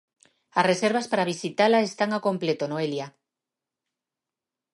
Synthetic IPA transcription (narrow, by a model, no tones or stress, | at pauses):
asreseɾβaspaɾaβ̞isit̪alaest̪aŋako̞mplet̪onoelja